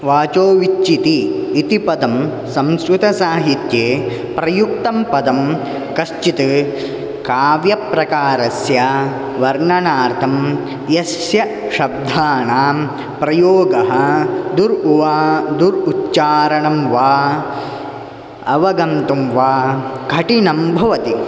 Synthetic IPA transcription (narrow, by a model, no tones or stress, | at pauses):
ʋaːt͡ʃoːʋit͡ʃːit̪iːt̪ipɐd̪ɐm | sɐmskɾut̪ɐsaːɦit̪jeː | pɾɐjukt̪ɐmpɐd̪ɐm | kɐʃt͡ʃit̪ɨ | kaːʋjɐpɾɐkaːɾɐsjɐ | ʋɐɾɳɐnaːɾt̪ʰɐm | jɐsjɐ | ʃɐb̚d̪ʱaːnaː | pɾɐjoːɡɐɦɐd̪uɾuʋaːd̪uɾut̪ːt͡ʃaːɾɐɳɐmʋaː | ɐʋɐɡɐnt̪umʋaːɡʱɐʈinɐmbʱɐʋɐt̪i